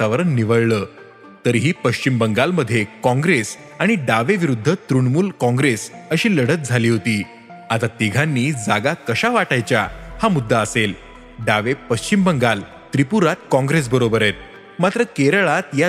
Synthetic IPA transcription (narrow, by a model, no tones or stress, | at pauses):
t̪əʋəɾənːiʋəɭləː | t̪əɾɦiːpəɕt͡ɕimbəŋɡalməd̪ʱːjekɔ̃ŋɡɾes | aɽ̃iɖaʋeʋiɾud̪ʱːət̪ɾuɳmuːlkɔ̃ŋɡɾesəɕiːləɽ̤ət̪̚d͡zʱaliːɦot̪iː | at̪at̪iɡʱanːiːd͡zaɡakəɕaʋaʈajt͡ɕja̰hamud̪ʱːaəsel | ɖaʋepəɕt͡ɕimbəŋɡal | t̪ɾipuɾat̪̚kɔ̃ŋɡɾes̬bəɾobəɾet̪̚ | mat̪ɾəkeɾɭat̪ja